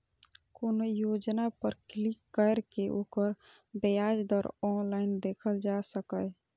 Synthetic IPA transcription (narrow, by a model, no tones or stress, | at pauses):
koːnojod͡ʒnapəɾklikːəɾkeʔoːkəɾ | bejad͡ʒd̪ɔɾɔnlaɪnd̪ekʰəld͡ʒasəkəj